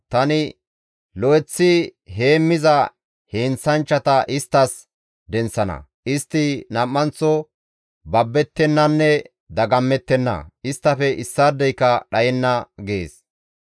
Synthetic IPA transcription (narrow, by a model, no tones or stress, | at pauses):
t̪ɐnɪ | lɔɛt͡sːɪɦe̞ːmːɪzɐ | heːnsɐnt͡ʃːɐt̪ɐʔɪst̪ːɐs | d̪ɛnsɐnɐ̰ | ʔɪst̪ːɪnɐmːɐnt͡sːɔ | bɐbːɛt̪ːɛnːɐnːɛ | d̪ɐɡɐmːɛt̪ːɛnːɐ̰ɪst̪ːɐfɛʔɪsːaːd̪ːɛjkːɐɗɐjɛnːɐɡḛːs